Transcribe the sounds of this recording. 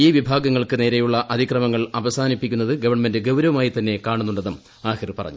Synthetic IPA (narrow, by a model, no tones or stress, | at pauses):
iːʋibʱaːɡɐŋːɐɭkɨne̞ːɾejuɭːɐʔɐd̪ʱikrɐmɐŋːɐɭɐʋɐsaːnipːikʲːunːɐðɨɡɐʋɐrɳɐme̞ndɨɡɐwɾɐʋɐmaːjit̪ɐnːe̞kaːɳunːuɳɖenːɐm | aːxirɨpɐrɐ̰ɲːu